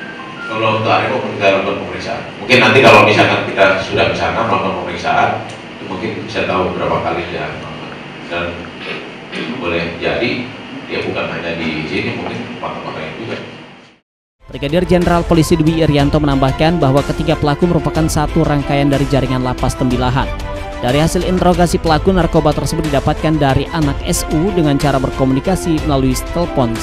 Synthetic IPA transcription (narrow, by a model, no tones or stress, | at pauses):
kəlount̪uaɾikokunit̪alaŋkɔn̚pəməɾiksa̰a̰nmuŋkɪnːant̪ikalomisakankit̪asudahmisakanməlaŋkɔn̚pəməɾiksa̰ʔan | t̪umuŋkɪnbisajat̪aubəbəɾapakalisudaaa | dan | bolɛhd͡ʒadijabukanhaɲadisinimuŋkɪnpat̪akakaind͡ʒuɡa | b̥ɾiɡadɪrd͡ʒenəɾalpolisiduwiːɾiant̪omənambahkanbaɦwakət̪iɡapəlakuməɾupakansat̪uraŋkajandaɾid͡ʒaɾiŋanlapast̪əmbilaɦan | daɾiɦasɪlint̪əɾoɡasipəlakunarkobat̪ərsəbʊt̪̚didapat̪̚kandaɾiʔanak̚ɛsudəŋant͡ʃaɾabərkomunikasiməlaluist̪əlpɔns